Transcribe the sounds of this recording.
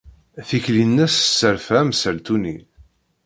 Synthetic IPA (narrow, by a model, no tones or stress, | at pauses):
θiçlinːæssːəɾfæmsəlt̪uni